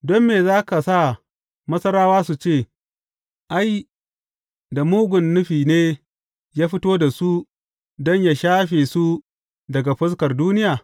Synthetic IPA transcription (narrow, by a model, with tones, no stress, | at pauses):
dɔ˦mːeː˨zaː˦ka˨sa˦˨ | mɐ˦sɐ˦ɾaː˦waː˦su˨t͡ʃeː˦˨ | ʔa˦j | da˨muː˦ɡʷʊ˨nːʊ˦ɸiː˨neː˦ | jaː˦ɸɪ˦toː˦da˨su˦ | dɔ˦ɲjaː˦ʃaː˦ɸeː˨su˦ | dɐ˨ɡa˨ɸɐ˦skɐ˨rduː˦nɪ˦jaː˨